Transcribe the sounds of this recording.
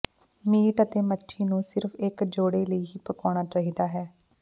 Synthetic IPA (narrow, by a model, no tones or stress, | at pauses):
miːʈət̪eːməʈʰːiːnũːsɪɾfʰɪkd͡ʒoːɽeːləiːɦiːpəkaːɽ̃aːt͡ʃaːɦiːd̪aːɦɛː